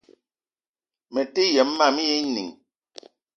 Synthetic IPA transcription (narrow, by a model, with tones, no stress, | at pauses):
mɛ˨te˦jɛ˨˦mː˦a˦˨mi˦je˦nḭ˨ŋ